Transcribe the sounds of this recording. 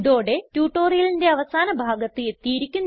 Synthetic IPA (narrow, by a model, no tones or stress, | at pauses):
ðo̞ːɽe̞tjuːʈːo̞ːrijɐlinde̞ɐʋɐsaːnɐbʱaːɡɐt̪ːɨet̪ːijiɾikʲːunː